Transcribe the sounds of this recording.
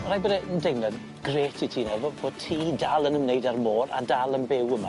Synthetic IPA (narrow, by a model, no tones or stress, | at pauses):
rajbədɛəndɛwnad | ɡ̥reːtʰitʰiːnɛvɔboːd̚tʰiːdalˠənəmneɨdarmoːɾa̰dalˠənbewəma̰